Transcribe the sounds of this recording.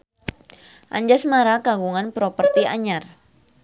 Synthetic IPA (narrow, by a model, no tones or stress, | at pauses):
ʔa̰ɲd͡ʒasmaɾakaɡuŋanpɾɔpərt̪iaɲar